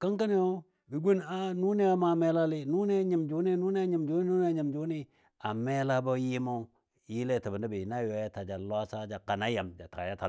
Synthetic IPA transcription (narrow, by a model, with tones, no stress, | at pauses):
ka˦ŋka˦ni˦o˦ | bi˨ɡu˦na˦nu˦ni˦a˦ma˨me˦la˦li˦nu˦ne˦ɲi˨md͡ʒu˨˦ni˦nu˦ni˦a˦ɲi˨md͡ʒu˦ni˦u˦ne˦˨ɲi˨md͡ʒu˦ni˦ | a˨me˦la˦bo˦ji˦ma˦ | ji˦le˦˨ta˨ba˨nda˦bi˨na˦jo˨˦ja˦ta˨d͡ʒa˨lwa˦sa˦d͡ʒa˨ka˨na˦ja˨md͡ʒa˨ta˨a̰˨ja˦ta˨